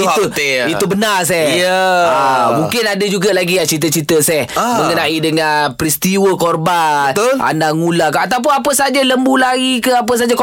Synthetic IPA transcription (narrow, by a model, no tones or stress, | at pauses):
it̪uit̪ubənars̬ɛhjəamũŋkɪnadad͡ʒuɡalaɡijat͡ʃit̪̬ət͡ʃit̪əsɛhmə̃ɡənaʔidəŋanpɾist̪iwəkorbant̪a̰naŋulakat̪awp̬ʊnapəsad͡ʒaləmbulaɡikəap̬əs̬ad͡ʒak